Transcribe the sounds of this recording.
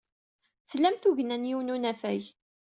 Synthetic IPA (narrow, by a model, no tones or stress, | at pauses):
θəlːæmθuʝənænjuwnunæfæj